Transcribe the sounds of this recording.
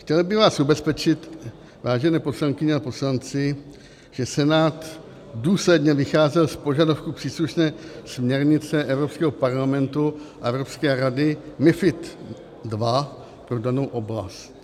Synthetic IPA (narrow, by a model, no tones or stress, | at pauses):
xcɛlbɪvaːsʔubɛspɛt͡ʃɪt̪ | vaːʒɛnɛːpo̞slaŋkɪɲɛapo̞slant͡sɪ | ʒ̥ɛsɛnaːt̪ | duːslɛdɲɛvɪxaːzɛlspo̞ʒadafkupr̥iːsluʃnɛːsmɲɛɾɲɪt͡sɛʔɛvɾopskɛːɦopaɾlamɛnt̪uʔaʔɛvɾo̞pskɛːɾadɪmɪfɪt̪ | dva | pɾo̞dano̞wʔo̞bla̰st̪